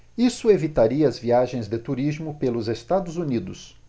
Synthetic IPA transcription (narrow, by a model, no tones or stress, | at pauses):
isʊevit̪aɾiɐɐzviaʒẽj̃zd̪ɪt̪uɾizmʊpelʊzest̪ad̪ʊzunid̪ʊs